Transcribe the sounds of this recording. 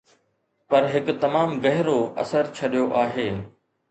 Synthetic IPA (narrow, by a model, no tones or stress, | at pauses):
pɐɾɦɪkʊt̪ɐmaːmɡɐɦɪɾoɐ̰səɾt͡ɕʰɐɗijoʔaːɦeː